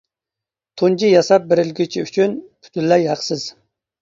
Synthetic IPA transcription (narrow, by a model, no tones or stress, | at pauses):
t̪ʰund͡ʒʰijɑsɑp̚beɾɪlɡʲyt͡ʃʰiyt͡ʃʰynpʰy̥t̪ʰylːɛjɦɑqsɪz̥